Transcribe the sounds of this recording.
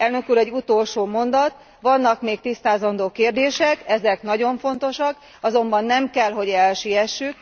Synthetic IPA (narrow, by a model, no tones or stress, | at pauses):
ɛlnøkuːɾɛɟːut̪o̞lʃoːmo̞nd̪ɒt̪ | ʋɒnːɒkmeːk̚t̪ist̪aːzɒnd̪oːkeːrd̪eːʃɛkɛzɛknɒɟo̞ɱfo̞nt̪o̞ʃɒk | ɒzo̞mbɒnːɛmkɛlɦo̞ɟɛlʃijɛʃːyk̚